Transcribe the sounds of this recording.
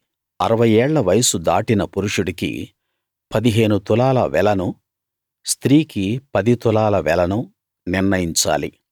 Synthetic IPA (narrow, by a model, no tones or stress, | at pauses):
ɐɾɐʋɐjɛːɭːɐʋɐjɐsud̪aːʈinɐpuɾuʂuɽikḭ | pɐd̪iɦe̞ːnut̪ulaːlɐ̰ʋɛlɐnu | st̪ɾiːkipɐd̪it̪ulaːlɐʋɛlɐnu | niɾnɐjiɲt͡ʃa̰ːlḭ